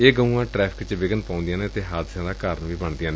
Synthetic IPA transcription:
eːɡəũãːʈɾɛːpʰɪ̥kt͡ʃʋɪɡənpãːʊ̃nd̪ɪjãːnẽːt̪eːɦaːd̪ɪʃãːd̪aːkaːɾənʋiːbəɳd̪ɪjãːnẽː

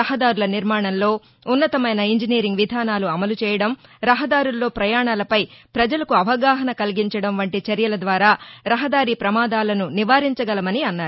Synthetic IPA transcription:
ɐɦɐd̪aːɾulɐniɾmaːɳɐnlo̞ː | unːɐt̪ɐmɐjnɐiɲd͡ʒiniːɾiŋɡʋid̪ʱaːnaːluɐmɐlut͡ʃɛːjɐɽɐmɾɐɦɐd̪aːɾulːo̞ːpɾɐjaːɳaːlɐpɐjpɾɐd͡ʒɐlɐkuɐʋɐɡaːɦɐnɐkɐliɡiɲt͡ʃɐɽɐmʋɐɳʈit͡ʃɐɾjɐlɐd̪ʋaːɾaːɾɐɦɐd̪aːɾiːpɾɐmaːd̪aːlɐnuniʋaːɾiɲt͡ʃɐɡɐlɐmɐniɐnːaːɾu

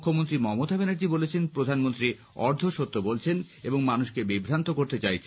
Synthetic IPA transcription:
kʰːomont̪ɾimɔmot̪abenaɾd͡ʑibolet͡ɕʰenpɾod̪ʱanmont̪ɾi | ɔɾd̪ʱoʃot̪ːobolt͡ɕʰen | eboŋmanuʃkebibʱɾant̪okoɾt̪et͡ɕajt͡ɕʰe

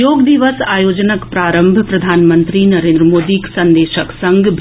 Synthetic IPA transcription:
joːɡd̪iʋəsaːjoːd͡ʒnəkpɾaːɾəmbʱpɾɐd̪ʱaːnmə̃nt̪ɾinɐɾẽːnd̪ɾəmoːd̪iksɐ̃nd̪eːʃəksɐ̃ŋɡbʱ

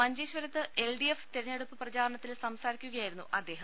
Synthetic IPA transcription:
mɐɲd͡ʑeːɕʋɐɾɐt̪ːɨʔelɖieft̪iɾɐnːeɽupːɨprɐd͡ʑaːɾɐɳɐt̪ːilsɐmsaːɾikʲːuɣɐjaːjiɾunːuʔɐd̪ːe̞ːɦɐm

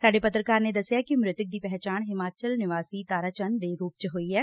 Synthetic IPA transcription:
saːɖeːpət̪ɾəkaːɾneːd̪əsːɪjaːkɪmɾɪt̪ʊk̚d̪iːpɛːɦt͡ʃaːnɦɪmaːt͡ʃəlnɪʋaːsiːt̪aːɾaːt͡ʃənd̪eːɾuːp̚t͡ʃɦoːiːɦɛː

